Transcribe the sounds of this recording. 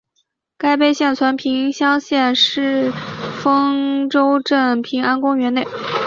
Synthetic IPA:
ka˥ɪp̬e˥ɪɕjɛ˥˩nt͡sʰwa˧˥npʰi˧˥ŋɕjɑ˥ŋɕjɛ˥˧nʂɻ̩˥˩fɤ˥ŋʈ͡ʂo˥ʊʈ͡ʂɤ˥˩pʰi˧˥ŋa˥nkʊ˥ŋɥɛ˧˥ne˥˩ɪ

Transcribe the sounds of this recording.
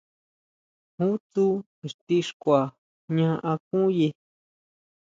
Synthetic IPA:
hũ˦t̪u˦ | e˨ʂt̪i˦ʂkʷa˨ | ɲã˧ʔã˧kũ˦je˧

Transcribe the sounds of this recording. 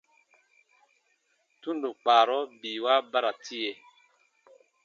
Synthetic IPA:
tu˦ndu˨k͡paː˨ɾɔ˦bi˨wa˦ba˦ɾa˨tʰi˦je˨

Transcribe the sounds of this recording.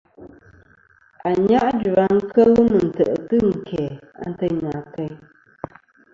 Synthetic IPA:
a˨ɲa˦ʔd͡ʒu˨a˨˦ŋ̩˦kʰə˦lɨ˦mɨ˨n̩˨tə˨ʔə˨tɨ˦ŋ̩˨kʰɛ˨a̰˦n̩˦tə˦˨ɲaː˨kə˦j

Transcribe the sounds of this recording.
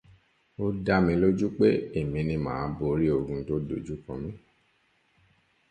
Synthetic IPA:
o˧da˧mĩ˧lo˦d͡ʒu˦k͡pe˦e˦˨mĩ˧nĩ˧mã̰ː˨˦bo˧˦ɾi˦o˧ɡũ˧to˦do˨d͡ʒu˨˦kɔ̃˨˧mĩ˦

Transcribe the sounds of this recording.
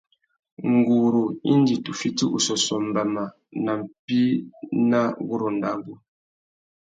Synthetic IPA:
ŋ˨ɡu˨ɾo˨i˦n˦di˨tu˨fi˦ti˦ʔṵ˨sɔ˨sɔ˨m˨ba˨ma˨ | na˨m̩˨pi˦na˦ɣu˦ɾo˨n̩˨da̰˦˨ŋɡu˦

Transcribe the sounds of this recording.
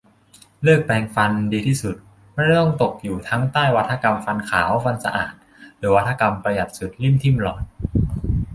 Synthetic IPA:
lɯː˥˩k̚pɛː˧ŋfa˧ndiː˧t̪ʰiː˥˩su˨˩t̪̚ | mɛ˥˩n˥˩t̪ɔ˥˩ŋt̪o˨˩k̚juː˨˩t̪ʰa˦˥ŋt̪aː˥˩jwa˦˥t̪ʰːa˧ka˧mfa˧nkʰaː˩˦wfa˧nsa̰˧ʔa̰ː˨˩t̪̚ | lɯː˩˦wa˦˥t̪ʰːa˧ka˧mpɾa˧ja˨˩t̪̚su˨˩t̪̚li˥˩mt̪ʰi˥˩mlɔː˨˩n̚

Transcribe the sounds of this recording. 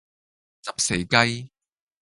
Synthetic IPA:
t͡sɐ˨p̚se˨˩jkɐ˥j

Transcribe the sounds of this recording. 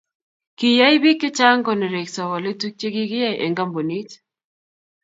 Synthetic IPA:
ki˨ja˦i˦bi˦kːɪ˦t͡ʃa˦ŋkɔ˨ne˨ɾe˨ksa˨wa˨lɪ˦tu˦k̚t͡ʃe˦ɡɪ˦ɡɪ˦a˦ʔḛ˨ŋɡa˦mbo˨ni˦t͡ʃ

